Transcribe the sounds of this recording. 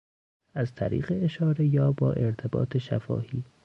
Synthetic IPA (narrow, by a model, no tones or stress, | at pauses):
ʔæzt̪ʰæɾḭːɣe̞eʃɒːɾe̞jɒːbɒːʔe̞ɾt̪ʰe̞bɒ̰ːt̪ʰe̞ʃæ̰fɒ̰ːhiː